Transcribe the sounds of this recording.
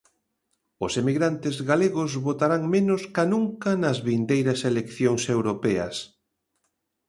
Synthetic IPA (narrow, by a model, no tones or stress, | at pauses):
ʊsemiɣɾant̪ɪzɣaleɣʊzβot̪aɾaŋmẽnʊskanuŋkɐnɐzβind̪ejɾɐselekθjoŋsewɾopɛɐ̰s